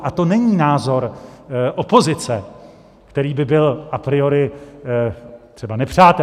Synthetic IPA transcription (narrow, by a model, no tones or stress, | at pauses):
ʔat̪o̞nɛɲiːnaːzo̞ɾʔopo̞zɪt͡sɛ | kt̪ɛɾiːbɪbɪlʔapɾɪo̞ɾɪ | tt̪r̥ɛbanɛpr̝̥aːt̪ɛ